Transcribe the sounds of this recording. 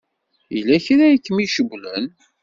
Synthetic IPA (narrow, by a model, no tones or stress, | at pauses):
ilːæçiɾæjkːəmiʃəɡʷlən